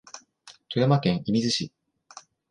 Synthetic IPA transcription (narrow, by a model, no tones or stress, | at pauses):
t̪ojamakẽ̞ɰ̃ʔimʲizɨɕi